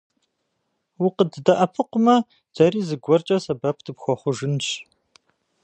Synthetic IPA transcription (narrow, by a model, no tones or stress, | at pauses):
wʊqədɨdɐʔɐpʰɨqʷʊmɐ | d̥ɐriːzɨɡʷɔrt͡ʃʼɐsɐbɐpʰdʰɨpxʷɔχʷʊʒɨnt͡ʃ